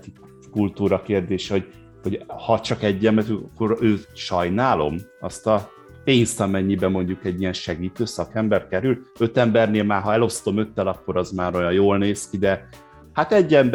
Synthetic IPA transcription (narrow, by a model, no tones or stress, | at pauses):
t̪i | kult̪uːɾɒkeːrd̪eːʃɛo̞ɟ | ho̞ɟhɒt͡ʃɒkɛɟːɛmːɛt̪ykɒkːo̞ɾøːʃɒjnaːlo̞mɒ̰st̪ɒ | peːnst̪ɒmɛɲːibɛmo̞ɲɟukɛɟːijɛnʃɛɡiːt̪øːsɒkɛmbɛrkɛɾylø̞t̪ɛmbɛrneːlmaːrɦɒɛlo̞st̪o̞mø̞t̪ːɛlɒkːo̞ɾɒzmaːɾo̞jɒnjoːlneːskid̪ɛ | hat̪ɛɟːɛmb